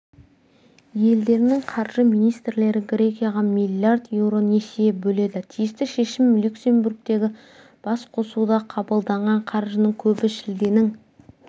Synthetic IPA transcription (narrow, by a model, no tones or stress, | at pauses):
je̞ld̪e̞ɾɪnɪŋqʰɑɾʒəmijnijst̪ɾɪle̞ɾɪɡɾʲe̞kʲijaʁɑmilʲjard̪je̞wɾo̞ne̞sijebɵle̞d̪ɪt̪ʰijɪst̪ɪʃe̞ʃɪmːlʲuksʲe̞mburk̚t̪e̞ɡʲɪ | b̥ɑsqʰo̞sud̪ɑqʰɑbəlˠd̪ɑɴʁɑɴqʰɑɾʒənəŋkʲʰɵbɪʃɪld̪e̞nɪŋ